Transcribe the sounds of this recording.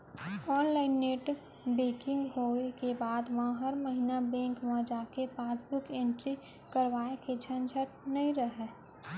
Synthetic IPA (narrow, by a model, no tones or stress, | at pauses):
ɔːnlaːɪnːeːʈ | beːkɪ̃ŋɡɦoekebaːd̪ʋɦãɦəɾməɦinabɛ̃ːŋkmə̃d͡ʒaːkepaːsbʊkẽːɳʈɾi | kəɾʋaːeked͡ʒʰʱənd͡ʒʱəʈ̚nəɦĩɾəɦeː